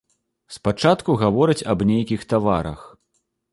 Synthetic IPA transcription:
spat͡ʂat̪kuɣavɔɾɐt͡sʲɐbnʲejkʲixt̪avaɾɐ̰x

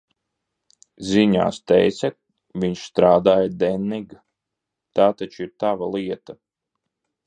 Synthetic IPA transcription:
zʲiɲa̰ːst̪ɛjt̪sʲa | viɲʃst̪ɾaːd̪aːjad̪ɛnːiɡ | t̪aːt̪at͡ʃiɾt̪avalˠiɛt̪a

